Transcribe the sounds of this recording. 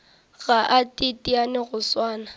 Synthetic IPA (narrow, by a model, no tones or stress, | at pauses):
ɣaʔatʼɪtʼianɪɣʊswaːna